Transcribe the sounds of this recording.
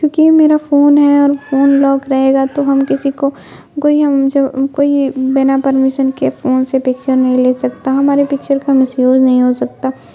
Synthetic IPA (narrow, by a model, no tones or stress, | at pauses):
kjõːkimeːɾafoːnɦɛɔːɾfoːnlɔːkɾɐɦeːɡat̪oɦɐmkɪsiko | koːiɦɐmd͡ʒɐbkoːibɪnapɐɾmiʃənkefoːnsepɪkt͡ʃəɾnɐɦĩleːsɐkt̪aɦɐmaːɾepɪk̚t͡ʃəɾkamɪsjoːd͡ʒnɐɦĩɦosɐk̚t̪aː